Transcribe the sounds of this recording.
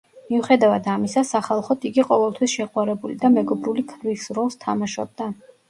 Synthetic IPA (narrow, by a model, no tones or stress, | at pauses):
miuχɛd̪avad̪amisasaχalˠχɔt̪ʰiɡiqʼɔvɛlˠt̪ʰwisʃɛqʼwaɾɛbulid̪amɛɡɔbɾulikʰɾvisɾɔlˠst̪ʰamaʃɔ̰b̚d̪a